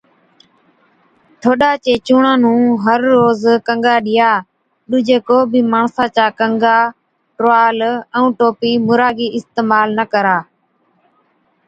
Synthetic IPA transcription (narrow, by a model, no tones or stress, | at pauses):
t̪ʰoːɗaːt͡ʃeːt͡ʃuːɳãːnũːɦəɾːoːzkəŋɡaːɗɪjaː | ɗʊd͡ʒeːkoːbiːmaːɳsãːt͡ʃaːkəŋɡaː | ʈɾoaːlɛũːʈoːpiːmʊɾaːɡiːʔɪst̪eːmaːlnəkəɾaː